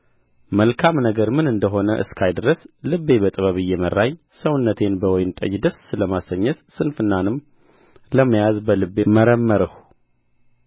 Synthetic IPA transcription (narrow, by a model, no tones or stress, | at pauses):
məlkʰamnəɡəɾmɨnɨnd̪əɦo̞nəʔɨ̰skʰajd̪ɾəslɨβːe̞bət̪ʼɨβəβɨjːɛmərːaɲ | səwnːət̪ʰe̞nbəwɔjnt̪ʼə̰d͡ʒd̪əsləmasəɲːət̪sɨnfɨnːanɨm | ləmːəjazbəlɨbːeməɾəmːəɾəhu